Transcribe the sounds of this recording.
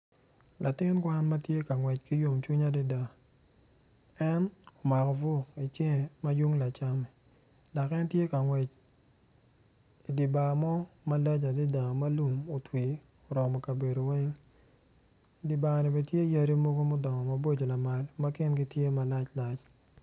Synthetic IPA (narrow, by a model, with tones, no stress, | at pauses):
la˨tɪ˦nkwa˦nma˦tje˦ka˨ŋwɛ˨t͡ʃki˦jo˨mt͡ʃwi˦ɲa˦dɪ˦da˨ | ɛ˦no˨ma˨kɔ˨vo˦i˨t͡ʃe˦ŋɛ˨ma˦ju˦ŋla˨t͡ʃa˦mɛ˨ | da˨kɛ˦ntje˦ka˨ŋwɛ˨t͡ʃ | i˨di˨ba˨mɔ˦ma˦lɛ˦t͡ʃa˨dɪ˦da˨ma˦lu˨mo˨twi˨ | o˨ɾɔ˨mɔ˨ka˨be˨do˨wɛ˦ŋ˨ | di˨ba˨nɛ˨be˨tje˦ja˦ɾi˦mo˦ɡo˦mʊ˦dɔ˨ŋɔ˨ma˦bo˦d͡ʒo˨la˨ma˨lma˦kɪ˦nɡi˦tje˦ma˨la˦t͡ʃla˦t͡ʃ